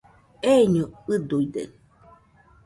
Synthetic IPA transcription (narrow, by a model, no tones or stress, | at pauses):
eɲuɨd̪uid̪ḛ